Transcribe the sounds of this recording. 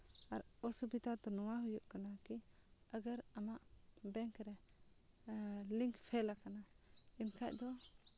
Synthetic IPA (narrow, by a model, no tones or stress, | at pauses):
aɾ | ɔsubit̪at̪ɔnɔwaɦujuʔkanaki | aɡaɾamaʔbɛŋkɾɛ | liŋkpʰɛlakana | imkʰaʔ̚d̪ɔ